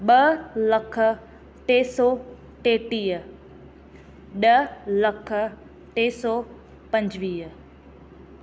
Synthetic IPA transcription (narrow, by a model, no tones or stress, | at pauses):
ɓɐlɐkʰə | ʈeːsɔː | ʈeːʈiːə | ɗɐlɐkʰə | ʈeːsɔː | pɐ̃ɲd͡ʑʋiːə